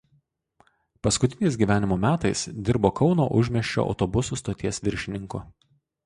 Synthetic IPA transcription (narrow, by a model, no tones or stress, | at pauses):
pɐskʊt̪ʲɪnʲɛɪs̬ɡʲiːʋʲæːnʲɪmoːmʲæːt̪ɐɪsd̪ʲɪɾboːkɒʊno̰ːʔʊʒʲmʲɛʃʲt͡ʃʲo̰ːʔɐ̰ʊt̪ɔbʊsust̪oːt̪ʲiɛsʋʲɪɾʲʃʲɪnʲɪŋkʊ